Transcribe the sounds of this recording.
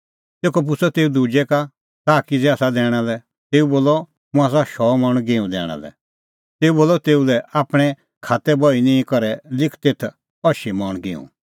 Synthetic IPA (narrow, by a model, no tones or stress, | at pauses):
t̪eːkɔp̬ʊsʰɔt̪eːud̪uːd͡ʒɛka | t̪aːkid͡zɛaːsad̪ɛːɽ̃alɛ | t̪eːuboːlɔ | mʊ̃aːs̬aʃɔːmɔɽ̃ɡeːũd̪ɛ̰ːɽ̃a̰lɛ̰ | t̪eːuboːlɔt̪eːulɛaːpɽ̃ɛ | kʰaːt̪ɛbɔinĩkɔɾɛlɪkʰt̪eːt̪ʰ | ɔʃimɔɽ̃ɡɪːṵ̃